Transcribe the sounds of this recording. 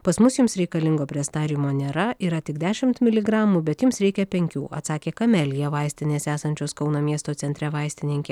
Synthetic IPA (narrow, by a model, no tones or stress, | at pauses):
pɐsmʊsjʊmsɾʲɛɪkɐlʲɪŋɡoːpʲɾʲiɛst̪ɑːɾʲimoːnʲeɾɐiːɾɐt̪ʲɪɡd̪ʲæːʃʲɪmt̪mʲɪlʲɪɡɾɑːmuːbʲɛt̪jʊmsɾʲɛɪkʲɛpʲɛŋʲkʲuːʔɐ̰t̪sɑːkʲeːkɐmʲɛlʲjɛʋɐɪsʲt̪ʲɪnʲeːsæːsɐnʲt͡ʃʲoːskɒʊnoːmʲiɛst̪oːt̪ʲɛnʲt̪ʲɾʲɛʋɐɪsʲt̪ʲɪnʲɪŋʲkʲeː